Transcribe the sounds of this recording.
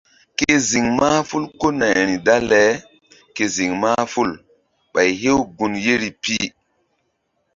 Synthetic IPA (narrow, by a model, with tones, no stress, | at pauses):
ke˦zi˨ŋma˦fu˦lko˦na˨jɾi˨da˦lɛ˨˦ | ke˨zi˨ŋma˦fu˦l | ɓa˨jɦe˦wɡu˨nje˦ɾi˨pi˦